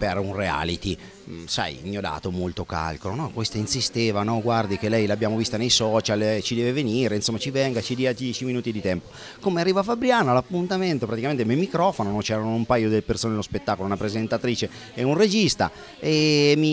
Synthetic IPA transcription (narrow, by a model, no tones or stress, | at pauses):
perunrea̰lit̪i | sa̰jmiod̪a̰ːt̪omolt̪oka̰lkolonɔkwest̪ainsist̪eːvanɔɡward̪ik̟elɛjlabjaːmovist̪anejsɔt͡ʃalɛt͡ʃid̪ɛːveveniɾeinsomːat͡ʃivɛŋɡat͡ʃid̪iːad̪jɛt͡ʃiminuːt̪id̪it̪ɛmpo̥ | komearːiːvafabɾjaːnalapːunt̪ament̪opɾat̪ikament̪ememːikɾɔfononɔt͡ʃɛːɾanoumpaːjod̪elepersoːnenlospet̪ːaːkolounapɾezent̪at̪ɾiːt͡ʃe | ɛunred͡ʒist̪a̰ | emi